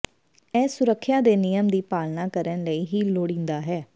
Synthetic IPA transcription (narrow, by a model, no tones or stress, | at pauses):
ɛːsʊɾəkʰːjaːd̪eːnɪjəmd̪iːpaːlnãːkəɾənləiːɦiːloːɽĩːnd̪aːɦɛː